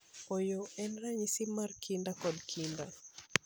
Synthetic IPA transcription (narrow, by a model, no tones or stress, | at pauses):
ojoɛnraɲisimarkʰindakɔdkʰinda